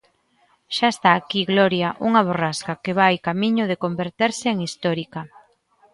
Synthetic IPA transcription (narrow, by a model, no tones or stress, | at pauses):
ʃaest̪aːkiɣlɔɾjaʔuŋaβ̞oraskakeβ̞ajkamiɲʊðekombeɾt̪eɾsɪːŋist̪ɔɾikɐ